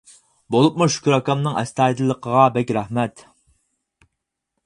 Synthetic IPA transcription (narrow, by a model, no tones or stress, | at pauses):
bolˠup̚muʃu̥kʰʲuɾɑkɑmnɨŋɛ̰st̪ɑːid̪ɨlˠːəqʰəʁɑbɛkʲɾæhmɛt̪